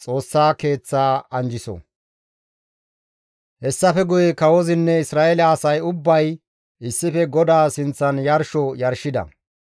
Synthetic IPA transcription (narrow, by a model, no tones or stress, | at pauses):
t͡sʼo̞ːsːaːke̞ːt͡sːaːɐnd͡ʒɪsɔ̰ | hɛsːɐfɛɡʊjɛkɐwɔzɪnːɛɪsɾaːelɐːsɐjʊbːɐj | ʔɪsːɪfɛɡɔd̪aːsɪnt͡sːɐnjɐɾʃɔjɐɾʃɪd̪ɐ̰